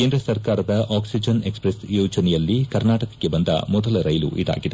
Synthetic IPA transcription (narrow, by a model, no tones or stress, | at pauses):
ke̞ːnd̪ɾɐsɐɾkaːɾɐd̪ɐʔaːksid͡ʒɐne̞kspɾesjoːd͡ʒɐnɛjɐlːikɐɾnaːʈɐkɐ̥kːe̞bɐnd̪ɐ̰mɔd̪ɐlɐɾɐjlṵʔid̪a̰ːɡid̪e